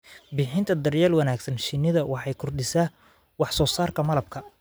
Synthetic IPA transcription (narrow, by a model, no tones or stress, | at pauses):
bɪːħɪnt̪ʰɐd̪ɐrjɛːlwɐnaːɡsɐnʃɪnɪðɐwɑħɑjkʰʊrɖɪsaː | wɑħsɔːsaːrkʰɐmɐlɐb̚kʰɐ